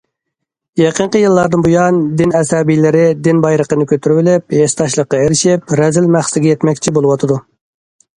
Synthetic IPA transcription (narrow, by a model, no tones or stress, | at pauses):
jeqʰəɴqəjɨlˠːɑɾd̪ɨnbujɑnd̪ɪnɛsɛbijlɪɾɪd̪ɪnbɑjɾəqənɨkʲʰøt̪ʰyɾywɪlɪp̚hest̪ʰɑʃlˠəqːɑeɾɪʃɪpɾɛzɪlmæχsɪɡʲɛjɛt̪mɛkʲt͡ʃʰibolˠɨwɑt̪ʰɨd̪u